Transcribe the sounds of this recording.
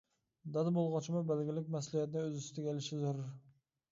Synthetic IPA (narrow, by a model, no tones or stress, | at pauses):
d̪ad̪bolˠʁɑt͡ʃʰɪmabælɡʲɪlɪk̚ʲmaslɪijat̪ɪnɪɵzɪst̪ʰɪɡʲalɪʃɪzʊɾɾ